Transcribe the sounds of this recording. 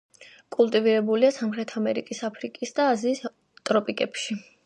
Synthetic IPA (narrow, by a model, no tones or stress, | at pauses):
kʼulˠt̪ʼiviɾɛbuliasamχɾɛt̪ʰamɛɾikʼisapʰɾikʼisd̪aːziːs | t̪ʼɾɔpʼikʼɛpʃi